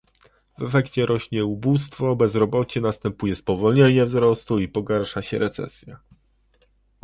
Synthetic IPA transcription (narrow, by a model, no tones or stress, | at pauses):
vɛfɛkt͡ɕɛɾʔɔɕɲɛubust̪fɔbɛzɾɔbɔt͡ɕɛnast̪ɛmpujɛspɔvɔlɲeɲɛvzɾɔst̪uipɔɡaɾʂaɕɛɾɛt̪sɛ̰sʲja